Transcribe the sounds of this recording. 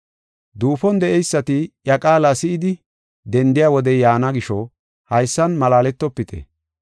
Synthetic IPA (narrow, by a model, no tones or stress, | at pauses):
d̪uːfɔnd̪ɛʔɛjsːɐt̪ɪjɐkʼaːlasɪɪd̪ɪ | d̪ɛnd̪ɪjaːwɔd̪ɛjaːnɐɡɪʃɔ | hɐjsːɐnmɐlaːlɛt̪ːɔpːɪt̪ʰɛ̰